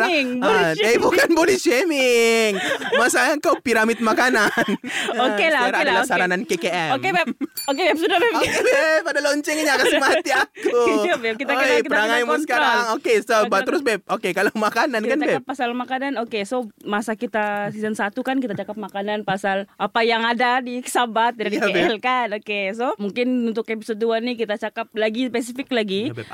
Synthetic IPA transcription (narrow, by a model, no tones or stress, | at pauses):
aŋbt̪aibukanbolɛʃemɪŋmasaəŋkawpiɾamɪt̪̚makananokelaaɾaadalasaɾanankekeɛomkebɛokebɛp̚sudabɛokebɛpadaloɲt͡ʃɛŋɲakasəmat̪iakubɛkit̪aojəɾaŋaimusə̥kaɾaŋokesobat̪əɾʊsbɛp̚okekalomakanankanabɛkapːasalmakananokesomasakit̪asizənsat̪ukankit̪at͡ʃakap̚makananpasalʔapajaŋadadikə̥sabat̪̚ːidaieɛɛlkanokes̬omuŋkɪnunt̪ʊkepisɔt̪̚duanikit̪at͡ʃakap̚laɡispes̬ifɪklaɡi